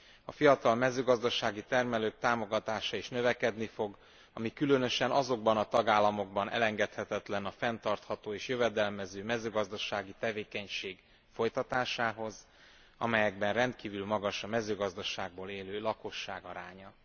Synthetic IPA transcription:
ɒfijɒt̪ɒlmɛzøːɡɒzd̪ɒʃaːɡit̪ɛrmɛløːk̚t̪aːmo̞ɡɒt̪aːʃɒiʃnø̞vɛkɛd̪nifo̞ɡ | ɒmikylønøʃɛnɒzo̞ɡbɒnɒt̪ɒɡaːlːɒmo̞ɡ̚bɒnɛ̰lɛŋɡɛt̪hɛt̪ɛt̪lɛnɒfɛnt̪ɒrt̪hɒt̪oːeːʃjøvɛd̪ɛlmɛzøːmɛzøːɡɒzd̪ɒʃaːɡit̪ɛveːkɛɲʃeːɡ | fo̞jt̪ɒt̪aːʃaːɦo̞z | ɒ̰mɛjɛɡbɛnrɛnt̪̚kiːvylmɒɡɒʃɒmɛzøːɡɒzd̪ɒʃaːɡ̚boːleːløːlɒko̞ʃːaːɡɒɾaːɲɒ

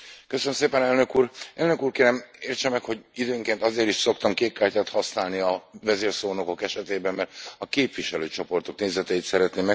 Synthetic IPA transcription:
køsønəmseːpɛnɛlnø̞kuːrɛlnø̞kuːrkeːɾɛmeːrt͡ʃɛmːɛkho̞ɟid̪øːŋkeːnt̪ɒzeːɾiʃso̞kt̪ɒmkeːkkaːrcaːt̪hɒsnaːlniɒvɛzeːrsoːno̞ko̞kɛʃɛt̪eːbɛmːɛrt̪ɒkeːpʋiʃɛløːt͡ʃo̞po̞rt̪o̞kneːzɛt̪ɛjit̪sɛɾɛt̪neːmɛ

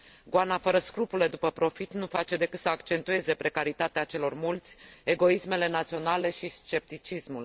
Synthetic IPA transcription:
ɡoanafəɾəskɾupule̞d̪upəpɾo̞fit̪nufat͡ʃe̞d̪e̞kɨt̪səakt͡ʃe̞nt̪ue̞ze̞pɾe̞kaɾit̪at̪eat͡ʃe̞lo̞rmult̪sʲe̞ɡo̞isme̞le̞nat̪sio̞nale̞ʃist͡ʃe̞p̚t̪it͡ʃismul

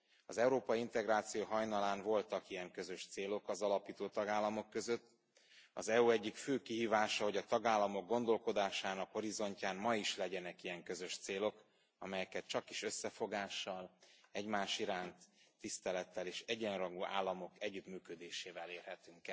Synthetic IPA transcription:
ɒzɛuɾoːpɒjiint̪ɛɡraːt̪sijoːɦɒjnɒlaːnvo̞lt̪ɒkijɛŋkøzø̞ʃt̪seːlo̞kɒzɒlɒpiːt̪oːt̪ɒɡaːlːɒmo̞kːøzø̞t̪ː | ɒzɛuɛɟːikføːkiɦiːvaːʃɒho̞ɟɒt̪ɒɡaːlːɒmo̞ɡ̚ːo̞nd̪o̞lko̞d̪aːʃaːnɒkho̞ɾizo̞ɲcaːmmɒiʃlɛɟɛnɛkijɛŋkøzø̞ʃt̪seːlo̞k | ɒ̰mɛjɛkɛt͡ʃɒki̥ʃø̞sːɛfo̞ɡaːʃːɒlɛɟmaːʃiɾaːnt̪ːist̪ɛlɛt̪ːɛleːʃɛɟɛnrɒɡuːʔa̰ːlːɒmo̞kɛɟːyt̪myːkød̪eːʃeːvɛleːrhɛt̪yŋkɛ

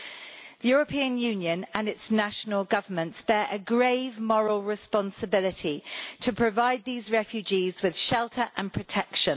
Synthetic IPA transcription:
ðəjɔːɹəpʰĩːə̃njʉːnjə̃nə̃nɪtsnaʃənəlˠɡʌvəmə̃ntsb̥ɛːɹʔəɡɹeɪvmɒɹəlˠɹɪspɒ̃nsəbɪlɪtʰitʰəpʰɹ̥əvaɪd̪̚ðiːzɹɛfjʉd͡ʒiːzwɪð̥ʃɛlˠtʰəɹʔə̰̃npʰɹ̥ətʰɛkʃə̃n

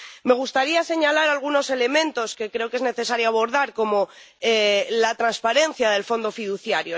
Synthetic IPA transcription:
me̞ɣ̞ust̪aɾiase̞ɲalaɾalɣ̞uno̞se̞le̞mẽ̞nt̪o̞ske̞kɾe̞oke̞zne̞θe̞saɾjoaβo̞ɾðaɾko̞mo̞ | elat̪ɾanspaɾe̞n̟θjaðe̞lfo̞nd̪o̞fiðuθjaɾjo

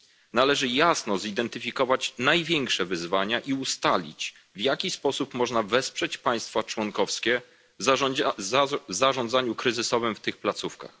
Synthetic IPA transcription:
nalɛʐɘjasnɔzid̪ɛnt̪ɘfʲikɔvat͡ɕnajvʲjɛŋkʂɛvɘzvaɲaʔiust̪alʲḭt͡ɕ | vjakʲispɔsupmɔʐnavɛspʂɛt͡ɕpaj̃st̪fat͡ʂwɔŋkɔfskʲɛ | v | vzaʐɔ̃nd̪zaɲukɾɘzɘsɔvɘmft̪ɘxplat̪sufka̰x

